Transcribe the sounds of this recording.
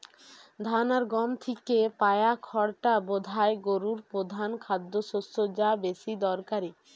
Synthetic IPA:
d̪ʱanaɾɡɔmt̪ʰikepajakʰɔɽʈabod̪ʱaeɡoɾuɾpɾod̪ʱankʰad̪ːoʃosod͡ʑabeʃid̪ɔɾkaɾi

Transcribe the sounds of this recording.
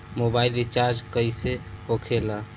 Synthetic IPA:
mobailɾit͡ʃaɾd͡ʒkəjseɦokʰela

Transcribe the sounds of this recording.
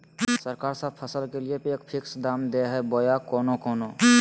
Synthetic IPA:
səɾkaːɾsəbpʰəsəlkeliepeːkpʰɪksd̪aːmd̪eɦɛboːjakɔːnokɔːnoː

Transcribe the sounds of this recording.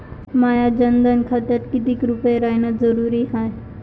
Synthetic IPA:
maːjad͡ʒɐnd̪ənkʰat̪əɾkɪd̪ikɾʊpeɾaːɪnəzɐɾuːɾiɦaːe

